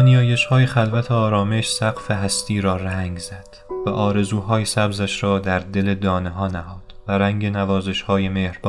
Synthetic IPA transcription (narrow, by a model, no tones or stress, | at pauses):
nijɒːje̞ʃhɒːjexælvæt̪ʰeɒːɾɒːme̞ʃsæqfeɦæst̪ʰiːɾɒːræŋɡz̥æd̪̥væʔɒːɾe̞zuːɦɒːjesæbzæʃɾɒːd̪æɾd̪e̞le̞d̪ɒːneɦɒːnæhɒːd̪̥væɾæŋɟe̞nævɒːze̞ʃhɒːjemeːhɾb̥ɒː